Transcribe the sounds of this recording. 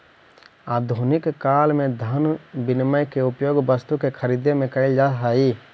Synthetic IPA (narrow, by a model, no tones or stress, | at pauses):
aːd̪ʱunɪkkaːlmẽd̪ʱənbɪnməjkeʊpjoːɡbəst̪ukekʰəɾiːd̪ʱemẽkɐɪld͡ʒaːt̪ɦaːiː